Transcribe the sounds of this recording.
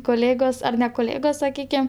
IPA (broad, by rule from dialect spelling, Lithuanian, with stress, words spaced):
koːˈlʲeːɡoːs ˈɐr nʲɛ koːˈlʲeːɡoːs sɐˈkʲiːkʲɛm